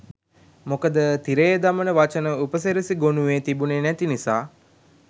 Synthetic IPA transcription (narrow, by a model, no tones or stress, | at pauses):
mokəd̪ət̪iɾejəd̪amənəʋat͡ʃənəupəseɾəsiɡonuʋeːt̪ibunenæt̪inisaː